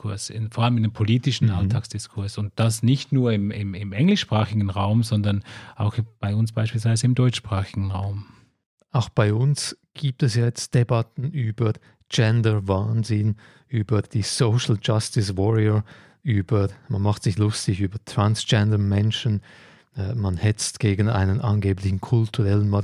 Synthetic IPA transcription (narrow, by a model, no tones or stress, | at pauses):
kʊɐsɪ̰nfɔːɐaləmɪndəmpʰoliːtɪʃn̩ʔaltʰaːksd̥ɪskʰʊɐsʊnt̚d̥asnɪçtnuːɐɪmɪmɪmʔɛŋlɪʃpʁ̥aːxɪɡn̩ʁaʊmzɔndɐnʔaʊxb̥aɪʊnsb̥aɪʃpiːlsv̥aɪzəɪmdɔʏt͡ʃʃpʁ̥aːxɪɡn̩ʁa̰ʊm | aʊxb̥aɪʊnsɡ̥iːp̚tɛsjaːjɛt͡st̚d̥ebatn̩yːb̥ɐ | d͡ʒɛndəvaːnzɪn | yːbɐd̥iːsoʊʃl̩d͡ʒastɪsvɔɹiə | ʔyːbəmanmaχtsɪçlʊstɪçyːbɐtʰʁ̥ansd͡ʒɛndəmɛnʃənː | manhɛt͡stɡ̥eːɡn̩a̰ɪnənʔɑnɡeːplɪçn̩kʰʊltʰuʁɛlənmɑ